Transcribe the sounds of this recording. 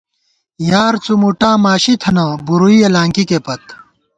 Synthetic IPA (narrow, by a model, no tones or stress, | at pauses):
jaːɾt͡sumuʈaːmaːɕit̪ʰɐnɐbuɾuiɐlaːŋkikepɐt̪̚